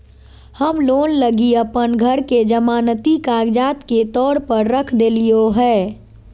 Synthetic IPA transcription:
həmloːnləɡiəpənɡʱəɾked͡ʒəmaːnət̪ikaːɡd͡ʒaːt̪ket̪ɔːɾpəɾːəkʰd̪eːlijoɦɛː

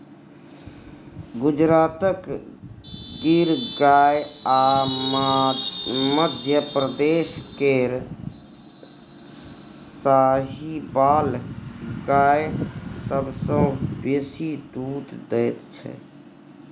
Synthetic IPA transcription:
ɡud͡ʒɾat̪ək | ɡiɾɡaja | məd̪ʱjəpɾəd̪eskeɾ | saɦibal | ɡajsəbsə̃besid̪ud̪d̪ɛjt̪t͡ʃʰɛ̰

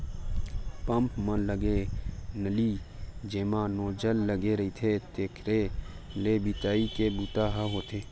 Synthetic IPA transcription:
pə̃mpmə̃ləɡenəliːd͡ʒeːmãːnoːd͡ʒəlːəɡeɾəit̪ʰet̪eːkʰɾe | leːbit̪aːikebuːt̪aːɦaɦoːt̪ʰeː

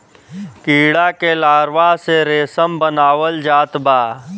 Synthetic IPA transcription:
kiːɽakelaːɾʋaseɾeːsəmbənaːwəld͡ʒaːt̪baː

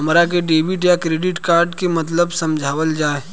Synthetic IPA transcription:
ɐmɾak̬eɖeːbɪʈjakɾeːɖɪʈkaːɾɖkemɐt̪ləbsɐ̃md͡ʒʱaːʋəld͡ʒaːe

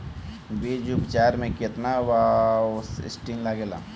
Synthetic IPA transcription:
beːd͡ʒubt͡ʃaːɾmẽket̪naʋaʊsɪ̰sʈĩŋlaːɡeːla̰

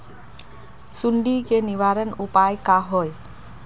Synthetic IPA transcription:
suɳɖikeniʋaɾənupajkaɦɔj

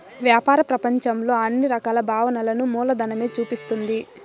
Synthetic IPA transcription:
ʋjaːpaːɾɐpɾɐpɐɲt͡ʃɐmlo̞ːɐnːiɾɐkaːlɐbʱaːʋɐnɐlɐnumuːlɐd̪ɐnɐme̞ːt͡ʃuːpist̪und̪i

